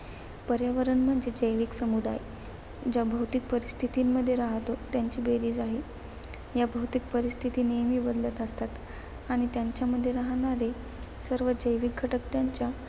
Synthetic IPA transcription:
pəɾjaʋəɾəɳm̤əɳd͡zed͡ʑəjʋiːksəmud̪a̰j | d͡ʑjabʱəwt̪ik̚pəɾist̪ʰit̪iːmːəd̪ʱːjeɾaɦt̪ot̪jaɲt͡ɕiːbeɾiːd͡zaɦe | jabʱəwt̪ik̚pəɾist̪ʰit̪iːnejmiːbəd̪lət̪əst̪at̪ | aɽ̃it̪jaɲt͡ɕjaməd̪ʱːjeɾaɦɳaɾe | səɾʋəd͡ʑəjʋik̚ɡʱəʈəkt̪jaɲt͡ɕja

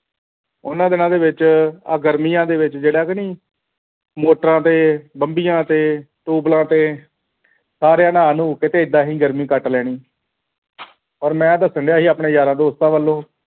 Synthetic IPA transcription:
ʊ̰nãːd̪ɪnãːd̪eːʋɪt͡ʃaːɡəɾmiːjãːd̪eːʋɪt͡ʃd͡ʒeːɽaːkəniː | moːʈəɾãːt̪eːbəmbijãːt̪eː | ʈuːblãːt̪eː | saːɾejãːnaːnũːkɪt̪eːɪd̪ːãːɦiːɡəɾmĩːkəʈlɛːɽ̃iː | ɔɾmɛ̃ːd̪əsəɳɖjaːɦiːaːpɳeːjaːɾãːd̪oːst̪ãːʋəlːõː

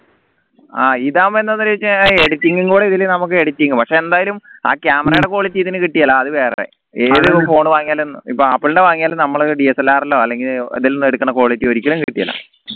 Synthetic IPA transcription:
aːiðaːmenːɐnːɐlet͡ɕːɨeɽutːiŋɡuŋɡuːɽeiðilnɐmuk̬ːɨeɽutʲːiŋɡɐpɐkʂe̞end̪aːjɐluma̰ːkʲjaːmɐrɐjɨɽe̞ko̞ːɭit͡ɕːiðinɨkiʈːijɐlaɐðɨʋe̞ːrɐ̰rḛ | eːðɨfo̞ːɳɨʋaːŋːijaːlonːɨ̰ipːoːɐpːiɭɳɖeʋaːŋijaːlnɐmːɐɭɖiesɐlːaːrɐlːo̞ːɐlːe̞ŋɡilɐ̰ðilonːueɽukːɐɳːɐko̞ːɭit͡ɕːioɾikʲːɐlumkiʈːijɐ̰la̰

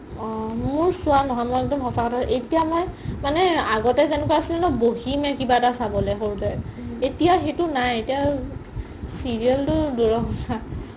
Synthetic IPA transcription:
ɔmʊɹsuanɔɦɔjmɔjɔtɔmɦɔsakɔtʰaʔetijamɔjmanɛaɡɔtɛzɛnɛkaasilɛnɔboɦimɛkibatasabɔlɛxoɹutɛetijaxetʊnajetija | siɹiɛltʊduɹɔɦɔsa

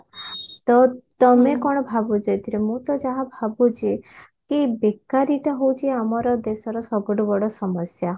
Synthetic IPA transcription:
t̪ɔt̪ɔmekɔɽ̃ɔbʱabud͡ʒɔjt̪ʰiɾemũt̪ɔd͡ʒaɦabʱabut͡ʃʰi | kibekːaɾiʈɔɦowt͡ʃʰiamɔɾɔd̪esɔɾɔsɔbɔɖɔbɔɽɔsɔmɔsja

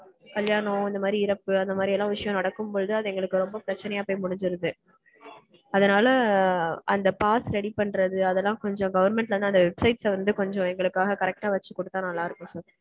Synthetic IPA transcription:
kɐljaːɳɐ̃ɐnd̪ɐmaːd̪ɾiɪɾɐpːɯɐnd̪ɐmaːɾiɛlːãːʋɪʂɐjɔ̃nɐɽɐkːɯmpoːðɯðɯɐðɯɛŋɡɐɭɯkːɯɾɔmbɐpɪɾɐt͡ʃːɐnɐjaːpoːɪmʊɽɪɲd͡ʒɯɾɯðɯ | ɐðɐnaːlɐ | ʔɐnd̪ɐpaːsɾɛɽipɐɳɾɐðɯɐðɛlːãːkɔɲd͡ʒɔ̃ɡɐʋɐɾmɛɳʈlɐɾnaɐnd̪ʋɛbsɐɪʈsʋɐnd̪ɯkɔɲd͡ʒɔ̃ɛŋɡɐɭɯkːaːɣɐkɐɾɛk̚ʈaːʋɐt͡ʃːɯkːɔɽɯt̪ːãːnɐlːaːɪɾɯkːʊ̃sɔlː

